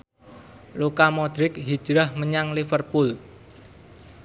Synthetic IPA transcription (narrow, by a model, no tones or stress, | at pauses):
lukamɔd̪̥ɾɪk̚ɦid̥ʒ̥ɾahməɲaŋlifərpul